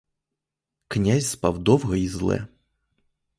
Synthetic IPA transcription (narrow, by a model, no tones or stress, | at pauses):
knʲæsʲspɐvd̪ovɣɐizlˠɛ̰